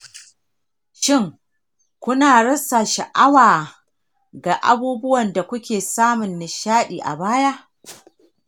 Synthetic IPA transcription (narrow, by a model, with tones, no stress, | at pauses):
ʃɪ˦ŋ | kʷʊ˦naː˨ɽɐ˦sːa˨ʃa˨ʔa˦waː˨ | ɡaː˨ʔa̰˦buː˦bʊ˦wɐ˨nda˨kʷʊ˦kʲeː˨saː˦mʊ˨nːɪ˨ʃaː˦ɗiː˨ʔa̰˨baː˦jaː˦ʔ